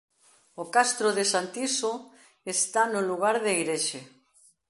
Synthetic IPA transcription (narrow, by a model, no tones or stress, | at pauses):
okast̪ɾoðesant̪iso | est̪anoluɣ̞aɾðeiɣɾeʃe